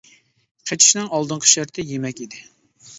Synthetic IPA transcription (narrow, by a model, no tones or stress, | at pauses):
qʰɛtt͡ʃ̪ʰi̥ʃnɪŋɑlˠd̪ɨɴqʰə̥ʃæɾt̪ʰɪjemɛkʲid̪ɪ